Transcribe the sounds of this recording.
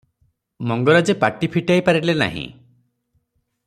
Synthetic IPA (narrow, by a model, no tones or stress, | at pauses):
mɔŋɡɔɾad͡ʒepaʈipʰiʈajpaɾilena̰ɦḭ̃